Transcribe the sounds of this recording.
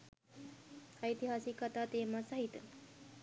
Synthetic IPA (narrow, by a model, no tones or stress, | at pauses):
sait̪iɦasikat̪at̪eːmasaɦit̪ə